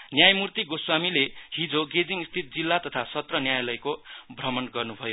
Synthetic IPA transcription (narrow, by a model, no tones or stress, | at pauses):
njajmurt̪iɡoswamileɦid͡zoɡed͡ziŋist̪ʰit̪̚d͡zilːat̪ʌt̪ʰasʌt̪rʌnjajlʌjkobʱrʌmʌnɡʌrnubʱʌjo